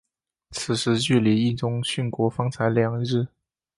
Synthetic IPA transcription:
t͡sʰɹ̩˨˩ʂɻ̩˧˥t͡ɕy˥˩li˧˥i˥˩nʈ͡ʂʊ˥ŋɕy˥˩nkwɔ˧˥fɑ˥ŋt͡sʰa˧˥ɪljɑ˧˥ŋɻ̩˥˩

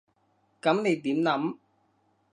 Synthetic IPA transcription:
kɐ˨˥mne˨˧jt̪iː˨˥mnɐ˨˥m

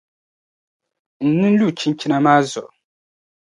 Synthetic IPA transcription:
n̩˨nɨ˦n˦lu˦˨t͡ʃi˦n˦t͡ʃi˦na˦maː˦zʊ̰˨ʔ

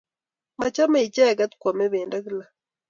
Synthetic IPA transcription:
ma˨t͡ʃa˦me˨t͡ʃɛ˦˨ɡa˦t̪kwa˨me˦βeː˨nda˦ɣi˦la˨

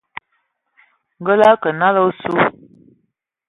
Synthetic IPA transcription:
ŋɡə˦la˦kə˨na˦lə˦wsu˦

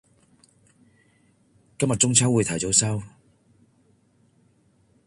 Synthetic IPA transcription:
kɐ˥mjɐ˨˩t͡sʊ˥ŋt͡sʰɐː˥wu˨˧jt̪ʰɐ˨˩jt͡so˨˥wsɐ˥w

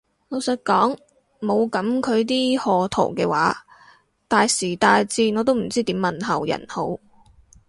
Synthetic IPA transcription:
no˨˧wsɐ˨˧t̚kɔː˨˥ŋ | mo˨˧wkɐ˨˥mkʰɵ˨˧ɥt̪̬iː˥hɔː˧t̪ʰo̰˨˩wkɛː˧wa̰ː˨˥ | t̪aː˨jsiː˨˩t̪aː˨jt͡siː˧ŋɔː˨˧t̪o˥wm̩˨˩t͡siː˥t̪iː˨˥mːɐ˨nhɐ˨wjɐ̰˨˩nho˨˥w

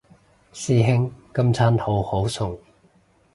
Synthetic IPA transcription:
siː˥ɦɪ˥ŋkɐ˥mt͡sʰaː˥nho˨˥who˨˥wsʰʊ˨˩ŋ

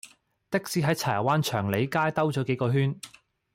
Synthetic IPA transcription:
t̪ɪ˥k̚siː˨˧˥ɦɐ˨˥jt͡sʰaː˨˩˨waː˥nt͡ʃʰœː˨˩ŋle˨˧jkaː˥jt̪ɐ˥wt͡ʃɔː˨˥ke˨˥jkɔː˧ɦyː˥n

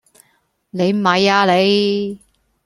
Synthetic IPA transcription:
ne˨˧jm̩˨˩hɐ˨˧jaː˧le˨˧j

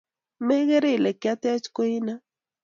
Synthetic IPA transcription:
mɛ˦ɣɛ˦ɾe˦˨lɛ˨kja˦t̪ɛ˦t͡ʃko˦i˦na˦

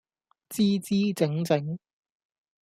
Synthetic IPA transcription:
t͡siː˥t͡siː˥t͡sɪ˨˥ŋt͡sɪ˨˥ŋ

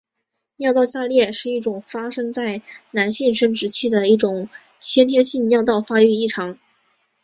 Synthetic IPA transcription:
njɑ˥˧ʊt̪ɑ˥˧ʊɕa˥˧ljɛ˥˩ʂɻ̩˥˧i˥˩ʈ͡ʂʊ˨˩ŋfa˥ʂɤ˥ŋt͡sa˥˩ɪna˧˥nɕi˥˩nʂɤ˥ŋʈ͡ʂɻ̩˧˥t͡ɕʰi˥˩d̪ə˩i˥˩ʈ͡ʂʊ˨˩˦ŋ | t͡ɕʰjɛ˥nt̪ʰjɛ˥nɕi˥˧nnjɑ˥˧ʊt̪ɑ˥˩ʊfa˥y˥˧i˥˩ʈ͡ʂʰɑ˧˥ŋ

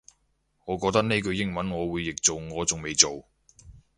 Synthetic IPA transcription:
ŋɔː˨˧kɔː˧t̪ɐ˥k̚ne˥kɵ˧ɥjɪ˥ŋmɐ˨˥nŋɔː˨˧wuː˨˧jːɪ˨k̚t͡so˨wŋɔː˨˧t͡sʊ˨ŋme˨jt͡so˨w

